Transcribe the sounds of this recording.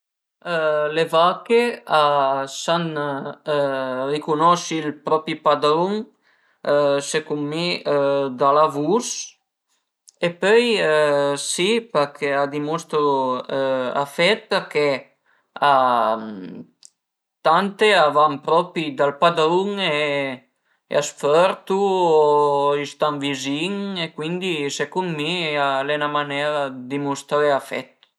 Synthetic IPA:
levakeasan | rikunɔʃilpɾɔpipad̪ɾuŋ | sekumːid̪alavus | epœj | sipekʰead̪imɔst̪ɾo | a̰fɛt̪̚peɾke | a | t̪ant̪eavampɾɔpid̪alpad̪uŋe | ḛasfœɾt̪u | ist̪aŋviziŋekwind̪isekunmialɛnamanɛɾad̪imust̪ɾaeafɛ̰t̪

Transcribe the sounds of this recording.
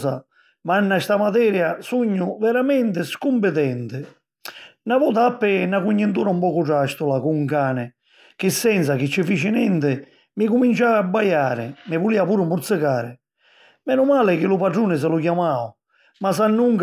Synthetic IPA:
sa | manːast̪amat̪̬ɛːɾjasuɲːʊvɛɾamɛnt̪ɪskumpɪt̪ɛnt̪ɪ | navɔːt̪aapːɪnakuɲːɪnt̪uːɾaumpɔːkʊʈ̬aʃt̪ulakuŋkaːnɪ | k̟ɪsːɛns̬ak̟ɪt͡ʃːɪfiːt͡ʃɪnɛnt̪ɪ | mɪkumint͡ʃaːabːajaːɾɪ̰mɪvuliːapuːɾʊmpuɾt̪sɪkaːɾɪ | mɛːnumaːlɪk̟ɪlupaɖɾuːnɪs̬ɛlukjamaːw | masanːuŋk

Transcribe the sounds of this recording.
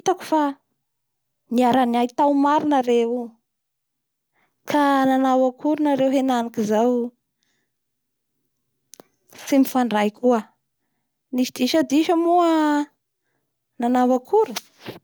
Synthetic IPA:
t̪aku̥fa | niaɾanajit̪awmaɾinaɾewu | kʰananawakʰuɾunaɾewɦenanikizaw | simifaɳɖ͡ʐajkʰuə | nisid̪iʃəd̪iʃəmuə | nanawakʰuɾu

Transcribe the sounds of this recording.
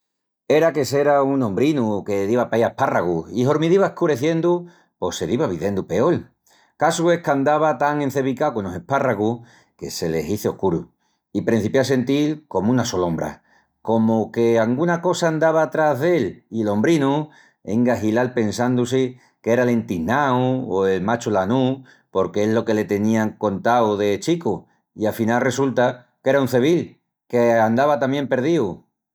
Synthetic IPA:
e̞ɾake̞se̞ɾaunõ̞mbɾinuke̞ðiβapajaeparaɣuiɦo̞ɾmiðiβaehkuɾe̞θje̞nd̪u | po̞se̞ðiβaβ̞iðe̞nd̪upe̞o̞l | kasue̞hkand̪aβat̪aŋe̞n̟θe̞βikawkonose̞paraɣuh | ke̞̰se̞le̞siθeo̞hkuɾu | ipɾin̟θipjase̞nt̪ilko̞munaso̞lõ̞mbɾa̰ | ko̞moke̞aŋɡunako̞saːnd̪aβ̞at̪ɾaɦðe̞lilo̞mbɾinu | e̞̰ŋɡaɦilalpe̞nsand̪use | keɾale̞nt̪inawoe̞lmat͡ʃulanu | po̞ɾkeeɦlo̞ke̞le̞t̪e̞nĩaŋko̞nt̪awðe̞t͡ʃiku | iafinalre̞sult̪a | ke̞ɾaunθe̞β̞il | keand̪aβat̪amje̞mpe̞ɾð̞iu

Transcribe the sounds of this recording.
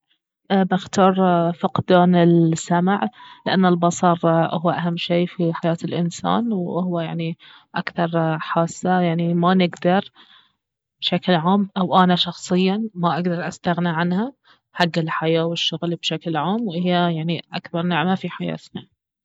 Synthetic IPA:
ʔbaxt̪ɑːɾˤfʊqd̪aːnɪlsːamʕlɪʔanːalbɑsˤɑɾˤʔhʊwːaʔaɦamːʃeːfiħajaːt̪ɪlʔɪnsa̰ːnwʊhʊwajaʕni | ʔakθɑɾˤħaːsːajaʕnimanɪɡd̪ɑɾˤ | b̥ʃaklʕaːmʔawʔanaʃɑxsˤɨjːamaʔaɡd̪ɑɾˤʔast̪aɣniʕanha | ħaɡːɪlħajaːwɪʃːʊɣlbʃaklʕaːmwʔhɪjːajaʕniʔakbɑɾˤnɪʕmafiħaja̰ːt̪na

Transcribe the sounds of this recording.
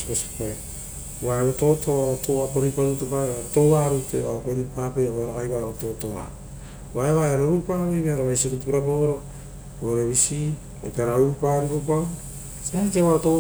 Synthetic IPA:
sosi̥poe | waeβoto̞tʰoaɾotoapoɾipaɾutepaaɾoto̞ɡaɾuteβaokoɾipapeoeɾakajβaeβoto̞toa̰ | βaeβaeɾoɾupaβijβeaɾaβajsoɾutuuɾapoɾo | oɾeβisi | oteaɾaɾupaɾikopa | seatewato

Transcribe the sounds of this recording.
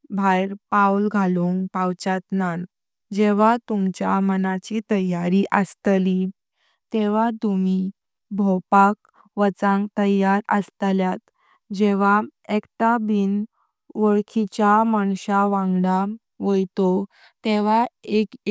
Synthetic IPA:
bʱajɾpaulɡʱaluŋɡpawt͡ɕat̪nan | d͡ʑeʋat̪umt͡ɕjamənat͡ɕit̪əjaɾiʔəst̪li | t̪eʋat̪umi | bʱɔpak̚ | ʋət͡sãŋɡt̪əjaɾəst̪ljat̪ | d͡ʑeʋaekt̪abiːn | ʋəɭkʰit͡ɕamaɳɕaʋãŋɡɽa | ʋojt̪o | t̪eʋaek

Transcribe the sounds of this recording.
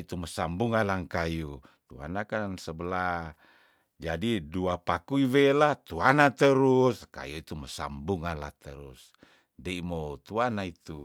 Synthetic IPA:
it̪uməsambuŋalaŋkaju | t̪ua̰nakansəbəla | d͡ʒadiduapakuiwelat̪uanat̪əɾuska̰juit̪uməsa̰mbuŋala̰t̪əɾus | deimot̪uanait̪u

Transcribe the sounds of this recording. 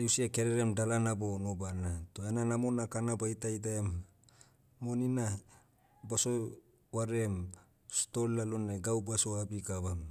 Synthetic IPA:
eusiakeɾeɾemdalanabonobanatoenanamonakanabajtajt̬aemː | onina | baso | waɾem | sto̞lːaloneɡawbaso̞abikaβam

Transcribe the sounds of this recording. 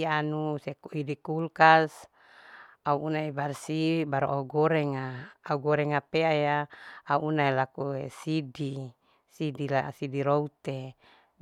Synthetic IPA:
ianusekuidikulkas | auʔːnaebarsibaɾuʔauɡoɾɛŋaːuɡoɾɛŋapeajaːuʔːnaelakuesidi | sidilasidiɾout̪e

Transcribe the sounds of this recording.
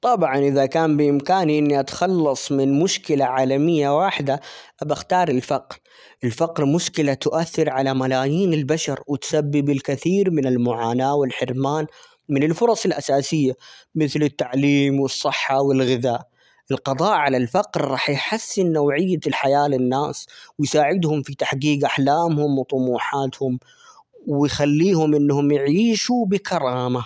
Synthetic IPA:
t̪ˤɑbʕɑnʔɪðakaːmbɪʔɪmkaːniʔɪnːiʔat̪ḁxɑlːɑsˤmɪnmʊʃkɪlaʕaːlamɪjːawaːħɪd̪aʔabaxt̪ɑːɾˤɪlfɑqɾ | ʔɪlfɑqɾmʊʃkɪlat̪ʊʔaθːɪɾʕalamalaːjiːnɪlbaʃɑɾwɪt̪sabːibɪlkaθiːɾmɪnɪlmʊʕaːnaːwɪlħɪɾmaːn | mɪnɪlfʊɾˤɑsˤɪlʔasaːsɪjːamɪθlɪt̪ːaʕliːmwɨsˤːɨħːɑwɪlɣɪðaːʔ | ʔɪlqɑd̪ˤɑːʔʕalalfaqɾɾˤɑːħjħasːɪnːawʕɪjːalħajaːlɪnːaːswɪjsaːʕɪd̪hʊmfit̪aħɡiːɡʔaħlaːmhʊmwt̪ˤʊmuːħaːt̪hʊm | wɪjxalːiːhʊmʔɪnːhʊmjɪʕiːʃubɪkɑɾˤɑːma

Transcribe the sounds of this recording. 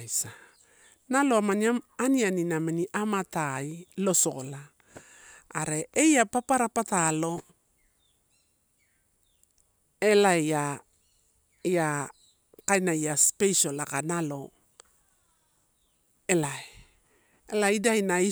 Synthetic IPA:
sa | naloamaniaanianinamaniʔamatailo̞so̞̰la | ɾe̞ʔejapapaɾapatalo̞ | elaa | ja | kajnajaspejso̞lakanalo̞ | elae | elaidajnai

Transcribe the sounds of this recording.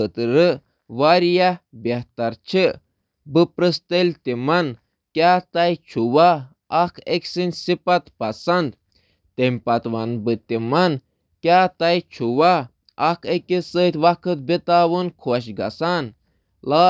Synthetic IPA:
ɨt̪ɾɨ | ʋaɾijabʲɐht̪ɐɾt͡ʃʰi | bɨpɾɨst̪elʲt̪imɐn | kʲjaːt̪ɐjt͡ʃʰuʋaː | kʰeksinʲsipɐt̪pɐsɐnd̪ | t̪emʲpɐt̪ʋɐnbɨt̪imɐn | kʲaːt̪ɐjt͡ʃʰuʋa | ɐkʰekisət̪ʋɐkʰɨt̪̚bit̪aːʋɨnkʰoʃɡɐ̰san | laː

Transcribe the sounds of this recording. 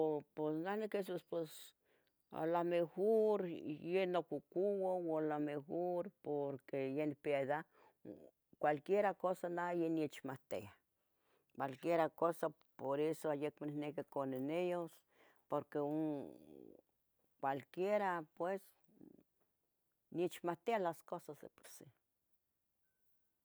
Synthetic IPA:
oposnanekes̬ospes | a̰lamexoɾjenokukuwalamexoɾpoɾkejenipeaiða | kʷalkjeɾakosanajeniet͡ʃmaht̪ea | kʷwʷalkjeɾakosa | poɾesoajekmanihnekikonenejos | poɾkeo | kʷalkjeɾapwes | niet͡ʃmat̪ealaskosasd̪epo̥si

